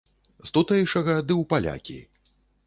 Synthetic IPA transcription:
st̪ut̪ɐjiʂɐɣɐd̪ɨwpalʲa̰kʲḭ

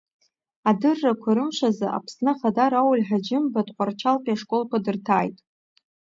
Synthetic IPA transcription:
adɨrːakʷʰaɾɨmʃʷazaʔa̰pʰsnɨχadaɾawlʲħad͡ʒɪmbatʼqʷʼart͡ʃʰalpʼiaʂkʼo̞lkʷʰadɨrtʰaːjtʼ

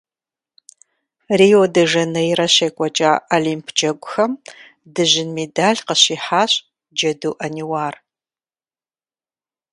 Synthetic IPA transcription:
riːjodɐʒɐnɐjirɐɕeːkʷʼɐt͡ʃʼaːaliːmpʰd͡ʒɐɡʷʼʊxɐm | dɨʑɪnmeːdaːɮqəɕiːħaːɕʼ | d͡ʒɐduːʔɐniwaːr

